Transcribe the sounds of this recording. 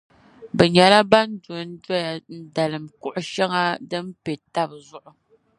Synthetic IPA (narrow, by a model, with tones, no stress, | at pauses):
bɛ˨ɲa˨la˦ba˦n̩˦do˨˦n̩˦da˦ja˨n̩˦da˨lɨ˨m̩˨ku˦ʔʊ˦ʃa˦ŋa˦dɨ˦m̩˦pe˨ta˦b̚zʊ˦ʔʊ˨